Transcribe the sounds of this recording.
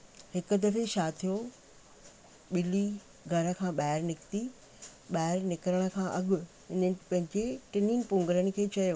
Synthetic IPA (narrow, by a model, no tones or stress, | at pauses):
hɪkʊ̆d̪ɐfeʃaːt̪ʰijo | ɓɪli | ɡʱɐɾə̆kʰãːɓaːɪɾnɪkt̪i | ɓaːɪɾnɪkɪɾəɽ̃ə̆kʰãːʔɐɠʊ̆ | ɪnəpɐ̃ɦɪ̃ɲd͡ʑeʈɪniːnpʊ̃ŋɡɾəɽ̃ɪ̆kʰeːt͡ɕɐjoː